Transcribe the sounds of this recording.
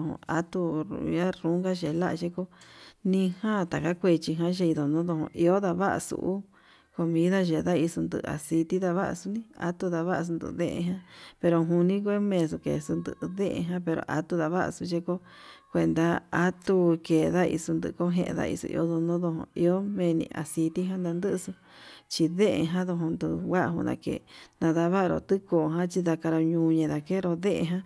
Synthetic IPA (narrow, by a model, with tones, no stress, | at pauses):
õ̰˧a˦t̪ṵ˧a˦ɾu˦ŋɡa˦ʒe˨˧la˦ʔʒe˦ko˦nĩ˧hã˦t̪a˨ka˦kʷe˧t͡ʃi˧ɦã˧˦ʒe˧i˧ðo˨nõ˦ðo˧hõ̰˧ʔi˧o˦ða˧βa˦ʔa̰˧sṵ˧˨ʔu˦ | ko˧mĩ˦ða˦ʒe˧ða˦i˧su˧nd̪ɨ̰˧ʔa̰˨si˧t̪i˦ða˧βa˦ʔa̰˧su˧˦nĩ˦a̰˦t̪u˧ða˧βa˦ʔa˧s̬u˧nd̪ɨ̰˧ʔðẽ˦ʔḛ̃˧ɦã˦pe˧ɾo˧ɦũ˧nĩ˦kʷe˦mẽ˧˨s̬u˧kḛ˨su˧nd̪ɨ̰˧ʔðẽ˦ʔḛ̃˧ɦã˦pe˧ɾo̰˨˧ʔa̰˦t̪u˧ða˧βa˦ʔa̰˧su˧ʒe˦ko˦ | kʷe˧nd̪a˧a˦t̪u˧ke˨ða˦ḭ˧su˧nd̪ɨ̰˧ko˦ɦḛ̃˧ʔḛ̃˧ða̰˧ḭ˧sṵ˧ʔḭ˧o˦ðo˧nõ˦ðo˧ɦõ̰˧i˧o˦mẽ˧nḭ̃˧ʔa̰˨si˧t̪i˦ɦã˦nd̪a˧nd̪ɨ˦ʔsu˧ | t͡ʃi˧ðẽ˦ʔḛ̃˧ɦã˦ðo˧ɦõ˧nd̪ɨ˧wa˦ʔɦṵ̃˧nã̰˧kḛ˨nã˧ða˧βa˦ʔɾo̰˧˨t̪ɨ˦koː˨ɦã˦t͡ʃi˧ða˧ka˧ɾo˧ɲũː˧ɲẽ˧˨ða˨ke˦˧ɾo˧ðẽ˦ʔe˧ɦã˦